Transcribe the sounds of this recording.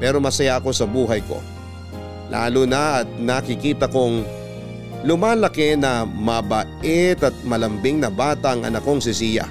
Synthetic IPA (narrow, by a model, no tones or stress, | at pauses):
pɛːɾo̞mɐsɐjako̞sɐbuːɦɐjko̞̰ | lʔa̰ːlʊnɐʔːt̪̚nɐkɪkiːt̪ɐkoŋ | lʊmaːlɐkenɐmɐbɐʔɛt̪ɐt̪̚mɐlɐmbɪŋnɐbaːt̪ɐʔɐŋʔɐ̰nɐko̞ŋsɪsiːjɐ̰